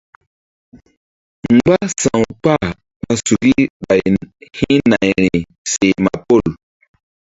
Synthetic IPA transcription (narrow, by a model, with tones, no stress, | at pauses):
ŋ͡m̩˦ɡ͡ba˦sa˨ŋpa˦˨ | ɓa˨su˨ɡi˦ba˨jhi˦na˨jni˨ | se˨ma˨po˦˨l